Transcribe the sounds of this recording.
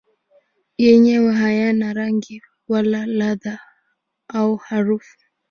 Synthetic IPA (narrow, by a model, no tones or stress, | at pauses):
jɛɲɛwaɦajanaɾaŋɡi | walalaða | auhaɾufu̥